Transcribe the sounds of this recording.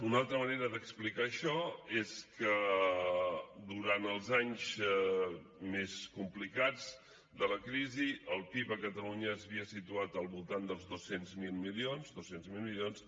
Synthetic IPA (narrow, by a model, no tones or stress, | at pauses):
unalˠt̪ɾəməneɾəðəksplikaəʃɔeskə | d̪uɾanəlˠzaɲz | meskumplikad͡z | d̪ələkɾiziəlˠpipəkət̪əluɲəːzβiəsit̪uat̪əlˠβulˠt̪and̪əlˠzðosenzmilˠmilionzd̪osenzmilˠmilions